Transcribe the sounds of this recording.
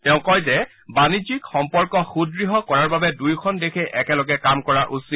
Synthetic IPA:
tɛʊ̃kɔjzɛ | banid͡ʒikxɔmpɔɹkɔxudɹiɦɔkɔɹaɹbabɛdujkʰɔndekʰeʔɛkɛlɔɡɛkamkɔɹaʔusi

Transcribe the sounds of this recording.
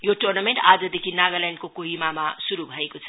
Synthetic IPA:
joʈornameɳʈad͡zʌd̪ekʰinaɡʌlaɳɖkokoɦimamasuɾubʱʌekot͡sʰʌ̥

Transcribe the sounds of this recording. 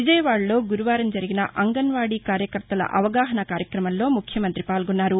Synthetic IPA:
ʋid͡ʒɐjɐʋaːɽɐlo̞ːɡuɾuʋaːɾɐmd͡ʒɐɾiɡinɐ̰ʔɐŋɡɐnʋaːɽiːkaːɾjɐkɐɾt̪ɐlɐ̰ʔɐʋɐɡaːɦɐnɐkaːɾjɐkɾɐmɐllo̞ːmukʰjɐmɐnt̪ɾipaːlɡɔnːaːɾu

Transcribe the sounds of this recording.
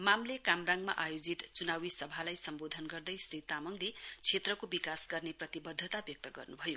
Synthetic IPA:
mamlekamraŋɡma̰ʔajod͡zit̪t͡sunawisʌbʱalajsʌmbod̪ʱʌnɡʌrd̪ʌjsrit̪amʌŋlet͡sʰet̪rʌkobikasɡʌrneprʌt̪ibʌd̪ʱːʌt̪abjʌk̚t̪ʌɡʌ̰rnubʱʌjo

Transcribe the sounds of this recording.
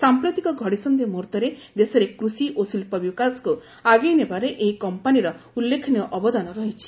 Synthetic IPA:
sampɾot̪ikɔɡʱɔɽisɔnd̪emuɾt̪ɔɾed̪esɔɾekɾusiʔosilpɔbikasku | aɡejnebaɾeʔeɦikɔmpaniɾɔulːekʰɔnjɔʔɔbɔd̪anɔɾɔɦit͡ʃʰi̥

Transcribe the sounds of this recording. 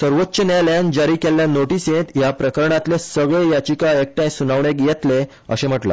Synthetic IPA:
səɾʋot̪ːɕənaljand͡ʑaɾiːkelːjanoʈisẽt̪japɾəkəɾɳat̪lesəɡɭejat͡ɕikaek̚ʈãjsunaʋɳekjɛt̪le | ə̰ɕẽm̤əʈla̰

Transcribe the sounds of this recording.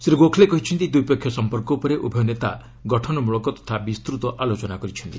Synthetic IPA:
sɾiɡokʰlekɔɦit͡ʃʰɔnt̪id̪ujpekʰjɔsɔmpɔɾkɔupɔɾeʔubʱɔjɔnet̪a̰ | ɡɔʈʰɔnɔmuɭɔkɔt̪ɔ̥t̪ʰabist̪ɾut̪ɔʔalot͡ʃɔnakɔɾit͡ʃʰɔnt̪i

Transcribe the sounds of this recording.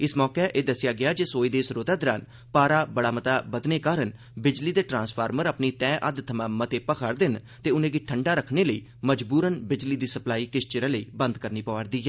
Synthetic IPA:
ɪsmɔːkeʔeːd̪əsɪjaːɡɪaːd͡ʒeːsoːiːd̪eːsɾoːt̪aːd̪ɪɾaːn | paːɾaːbəɽaːmət̪aːbəd̪neːkaːɾən | bɪd͡ʒliːd̪eːʈɾãːnspʰaːɾməɾəpniːt̪ɛ̃ːʔəd̪t̪ʰəmãːmət̪eːpəkʰaɾd̪ɪn | t̪eːʊnẽːɡiʈʰəɳɖaːɾəkʰneːləiː | məd͡ʒbuːɾənbɪd͡ʒliːd̪iːsəplaːiːkɪʃt͡ʃɪɾə̃ːləḭːbənd̪kəɾniːpəʋəɾd̪iːɦɛː

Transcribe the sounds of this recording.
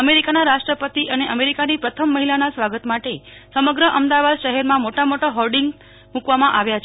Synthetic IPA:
əmeɾikanaɾaʃʈɾəpət̪iʔəneʔəmeɾikanipɾət̪ʰəmːəɦilanasʋaɡət̪maʈesəməɡɾəʔəmd̪aʋad̪ʃəɦɛɾmãmoʈamoʈaɦɔlɖiŋɡ | mũkʋamãʔaʋjat͡ʃʰ

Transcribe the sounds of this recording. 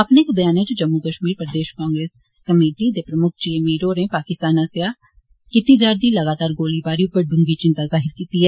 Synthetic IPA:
ɐpnekbɐjaːned͡ʒod͡ʒɐmːukəʃmiːɾpɾəd̪eːʃkãːŋɡɾeːs | kɐmeːʈid̪epɾɐmʊkʰd͡ʒiemiːɾoːɾẽːpaːkɪst̪aːnaseja | kɪt̪id͡ʒaːɾd̪ilɐɡaːt̪aːɾɡoːlibaːɾijõpɐɾɖʊ̃ŋɡit͡ʃɪ̃nt̪azaːɦɪɾkiːt̪iɦɛː

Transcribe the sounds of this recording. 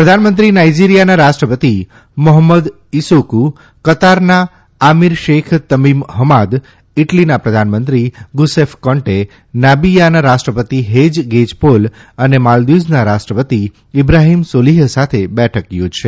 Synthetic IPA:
pɾəd̪ʱanmə̃nt̪ɾinaid͡ʒiɾijanaɾaʃʈɾəpət̪i | məɦəmːəd̪ | isuku | kət̪aɾnaː | miɾʃekʰt̪əmimɦəmad̪ | ɪʈlinapɾəd̪ʱanmənt̪ɾiɡusefkɔɳʈe | nabijanaɾaʃʈɾəpət̪iɦed͡ʒɡed͡ʒpolənemald̪id͡ʒnaɾasʈɾəpət̪i | ɪbɾaɦimsoliɦsat̪ʰebɛʈʰəkjod͡ʒʱʃe

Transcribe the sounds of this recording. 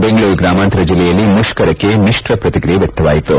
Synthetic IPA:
beŋɡɐɭuːɾɡɾaːmant̪ɾɐd͡ʒilːɛjɐlːimuʃkɐɾɐkːe̞niʂʈɾɐpɾɐt̪ikɾijeʋjɐk̚t̪ɐʋaːjit̪u

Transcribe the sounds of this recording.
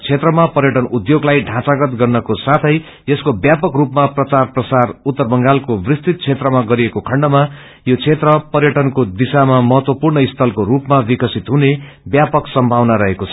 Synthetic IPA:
t͡sʰet̪rʌmapʌrjʌʈʌnud̪joɡlajɖʱãt͡saɡʌt̪ɡʌrnʌkosat̪ʰʌj | jeskobjapʌkrupmaprʌt͡sarprʌt͡sarut̪ːʌrbʌŋɡalkobrist̪it̪̚t͡sʰet̪rʌmaɡʌɾiekokʰʌɳɖʌma | jot͡sʰet̪rʌpʌrjʌʈʌnkod̪isamamʌɦʌt̪wʌpurnʌist̪ʰʌlkoɾupmabikʌsit̪ɦune | bjapʌksʌmbʱawnaɾʌɦekot͡sʰʌ

